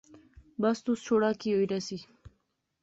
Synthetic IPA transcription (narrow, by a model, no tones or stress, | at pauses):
bast̪ust͡ʃoɽakijoiɾasi